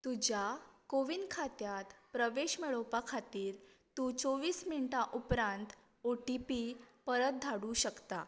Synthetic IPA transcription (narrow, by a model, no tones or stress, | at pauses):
t̪ud͡ʑjakoʋinkʰat̪jat̪pɾəʋeɕmeɭowpakʰat̪iːɾ | t̪uːt͡soʋiːsminʈaʔupɾãnt̪ | oʈipipəɾət̪̚d̪ʱaɽuɕəkt̪a